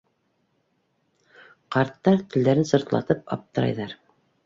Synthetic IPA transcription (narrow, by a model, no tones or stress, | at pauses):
qɑɾt̪ːɑɾt̪ɘ̆ld̪æɾɘnsŏɾt̪lˠɑ̰t̪ɤp̚ɑ̰p̚t̪ɤ̆ɾɑ̰jðɑɾ